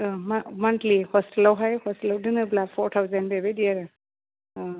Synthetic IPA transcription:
mamantlihɔstelawɦajhɔstilawdɯnɯblapʰɔɾtʰawzanbebediaɾɯ

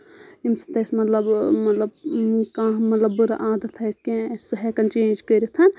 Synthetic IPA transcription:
imsi̥t̪ɐsmɐt̪lɐbmɐt̪lɐbkãːmɐt̪lɐbːuɾa̰ʔaːd̪ɐt̪ɦɐskẽssuɦeːkɐnt͡ʃẽːnd͡ʒkəɾit̪ʰɐn

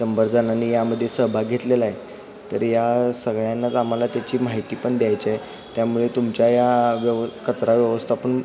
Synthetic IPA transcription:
əmbəɾd͡zananːiːjaməd̪ʱːjesəɦbʱaɡʱet̪lelaɦe | t̪əɾjasəɡɭjanːat̪am̤alat̪jat͡ɕiːmaɦit̪iːpəɳd̪jajt͡ɕiaj | t̪jamuɭet̪umt͡ɕjajaʋəʋkət͡sɾaʋjəʋəst̪ʰapəɳ

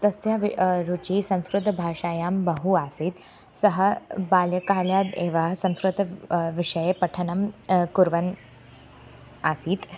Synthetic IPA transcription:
t̪ɐsjaʋɾut͡ɕiːsɐ̃w̃skɾʊd̪ʱbʱaːʂaːjaːmbəɦuasiːt̪ | səɦəbaːljəkaːljaːd̪ḛʋasɐ̃w̃skɾut̪ʋiʂɐjepɐʈʰənɐmkuɾʋɐn | asiːt̪

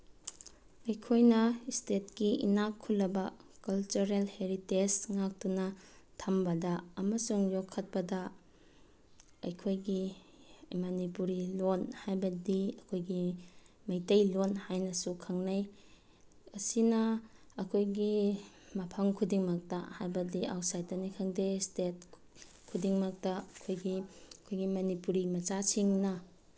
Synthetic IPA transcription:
ɐjkʰojnɐistet̚kiʔḭnakʰːulːɐbɐkɐlt͡ʃuɾelheɾitesŋak̚tunɐtʰambɐdɐɐmɐsuŋjokʰːɐt̚pɐdɐ | ɐjkʰojɡi | manipuɾilonhajbɐdiɐkʰojɡi | mɐjtɐjlonhajnɐsukʰaŋnaj | ɐsinɐːkʰojɡi | mɐpʰaŋkʰudiŋmɐk̚tɐ̰hajbɐdiawtsajtɐnikʰaŋdestet̚ | kʰudiŋmɐk̚tɐɐkʰojɡikʰojɡimɐnipuɾimɐt͡ʃasiŋnɐ

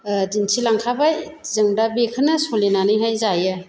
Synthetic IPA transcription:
dinsʰilaŋkʰabajzɯŋdabekʰɯnɐsolinanɯjɦajzajɯ

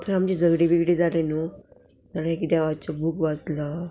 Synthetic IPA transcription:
t̪ʰəɾamt͡ɕid͡zəɡɽebiɡiɽid͡zʱalenu | talaekid̪aʋat͡ɕabʱukʋat͡sla

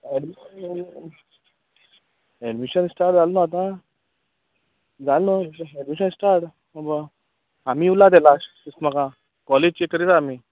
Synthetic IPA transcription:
ɛɖmiən | ɛɖmiɕənsʈaɾʈd͡zalnəat̪ã | d͡zalnəɛɖmiɕənsʈaɾʈ | əbə | amiːulad̪̬elas | əsməkã | kɔled͡ʑt͡ɕekəɾit̪aamiː

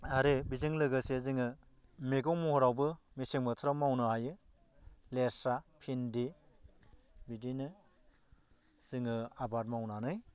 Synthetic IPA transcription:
aɾebiziŋlɯɡɯseziŋɯ | meɡɔŋmɔhɔɾawbɯ | misiŋbɯtʰɾamawnɯɦajɯ | leɾsapʰindi | bidinɯ | z̥iŋɯabat̚mawnanɯj

